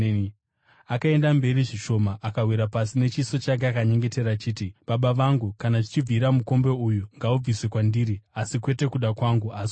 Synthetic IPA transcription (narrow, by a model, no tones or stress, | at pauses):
akae̞ndambe̞ɾiʐiʃo̞maʔakawiɾapasine̞t͡ʃiso̞t͡ʃaɡeakaɲe̞ŋɡe̞te̞ɾat͡ʃiːtiɓaɓaʋaŋɡukanat͡ʃit͡ʃib͡viɾamuko̞mbe̞ujuŋɡaub͡viswe̞kwandiːɾiasikwe̞te̞kuɗakwaŋɡuas